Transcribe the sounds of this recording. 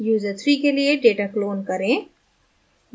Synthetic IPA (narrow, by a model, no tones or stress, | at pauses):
juːzəɾt̪ʰɾikelieɖeːʈakloːnkɐɾẽː